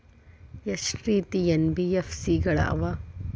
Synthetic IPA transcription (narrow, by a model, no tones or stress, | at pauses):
esɾiːt̪ienbijefsiːɡɐɭɐ̰ɐ̰ʋɐ